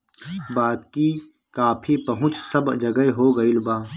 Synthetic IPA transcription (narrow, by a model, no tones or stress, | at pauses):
baːd̪̚ki | kaːpʰipɐɦʊ̃t͡ʃsɐbd͡ʒɐɡəeɦoːɡɐilbaː